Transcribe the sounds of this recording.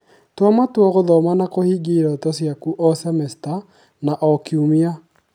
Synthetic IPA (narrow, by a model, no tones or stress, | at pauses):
twamatwɔɣoðɔmanakohiɡiɾɔtɔsjakuʔɔsɛmɛsta | naʔɔkiumia